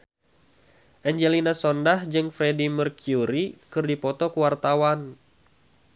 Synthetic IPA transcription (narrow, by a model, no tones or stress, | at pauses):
ʔɛɲd͡ʒɛlinasɔndahd͡ʒɨŋfɾɛdimərkjuɾikɨrdipɔt̪ɔkuwart̪awan